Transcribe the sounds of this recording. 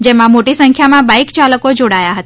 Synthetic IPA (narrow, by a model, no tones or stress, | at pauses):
d͡ʒemãmoʈisə̃ŋkʰjamãbaikt͡ʃaːləkod͡ʒoɽajaɦət̪a